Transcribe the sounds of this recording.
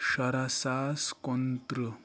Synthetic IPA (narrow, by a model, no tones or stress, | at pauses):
ɕɐɾasaːskont̪ɾə